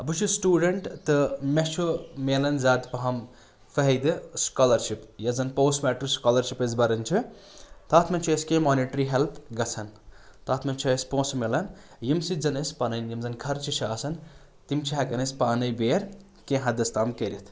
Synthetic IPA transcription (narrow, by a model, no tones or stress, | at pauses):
ɐbɨt͡ʃʰusʈuːɖɐɳʈt̪ɨmet͡ʃʰumeːlɐnzaːd̪pɐɦɐm | fɐɦɐd̪ɨskaːlɐɾʃipjɐzɐnpoːsmɛːʈɨɾskaːlɐɾʃipɐzbɐɾɐnt͡ʃʰit̪aːt̪ʰmɐnʲt͡ʃʰɐskẽːmoːniʈɾiɦelpʰɡɐt͡sʰɐnt̪aːt̪ʰmɐnt͡ʃʰɐspõːsmelɐn | jimsid͡zɐnɐspɐnɐnjimzɐnkʰɐɾt͡ʃʰit͡ʃʰaːsɐn | t̪imt͡ʃʰiɦɐkɐnɐsʲpaːnɐjbeːɾ | kẽːɦɐd̪ɐst̪aːmkɐɾit̪ʰ